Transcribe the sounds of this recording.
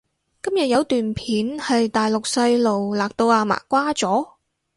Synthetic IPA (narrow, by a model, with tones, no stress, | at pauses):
kɐ˥mjɐ˨t̚jɐ˨˧wt̪yː˨npʰiː˨˥nhɐ˨jt̪aː˨jlʊ˨k̚sɐ˧jlo˨wlaː˨k̚t̪o˧waː˧ma̰ː˨˩kːʷaː˥t͡sɔː˨˥